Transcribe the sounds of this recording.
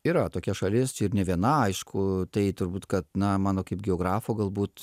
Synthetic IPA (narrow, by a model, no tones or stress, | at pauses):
iːɾɐt̪oːkʲɛʃɐlʲɪsɪɾnʲɛʋʲiɛnɐɐɪʃkʰʊt̪ɐɪt̪ʊɾbuːt̪kɐt̪nɐmɑːnoːkɐɪp̚ɡʲɛoːɡɾɑːfoːɡɐlˠbuːt̪